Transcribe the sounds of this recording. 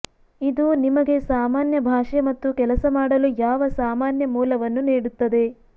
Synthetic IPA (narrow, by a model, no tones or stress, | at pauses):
id̪unimɐɡe̞saːmaːnjɐbʱaːʂemɐt̪ːukɛlɐsɐmaːɽɐlujaːʋɐsaːmaːnjɐmuːlɐʋɐnːuniːɽut̪ːɐd̪e̞